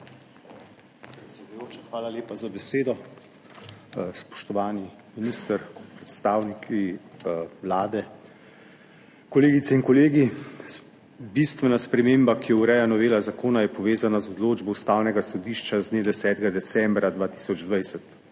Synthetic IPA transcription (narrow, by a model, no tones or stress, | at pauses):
pɾɛt̪sʲɛd̪ujoːt͡ʃaxʋaːlaleːpazabɛseːd̪ɔ | spɔ̥ʃt̪ɔʋaːni | miniːst̪əɾpɾɛt̪st̪aːwnikʰi | wlaːd̪ɛ | kɔleːɡit̪sɛinkɔleːɡi | bist̪ʋɛnaspɾɛmeːmbakijɔwɾɛjanɔʋeːlazakoːnajɛpɔʋeːzanazɔd̪loːd͡ʒbɔwst̪aːwnɛɡasɔd̪iʃt͡ʃazneːd̪ɛsɛːt̪ɛɡad̪ɛt̪sɛmbɾad̪ʋaːt̪i̥sɔd͡ʒd̪ʋajsɛt̪